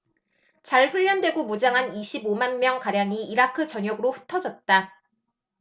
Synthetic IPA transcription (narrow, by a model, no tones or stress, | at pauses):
t͡ɕaɭɸuʎːʌndwe̞ɡomud͡ʑaŋɦaniɕʰibomanmjʌŋkaɾjaŋiiɾakʰɯt͡ɕʌɲjʌɡɯɾoɸɯ̥tʰʌd͡ʑʌt̚t͈a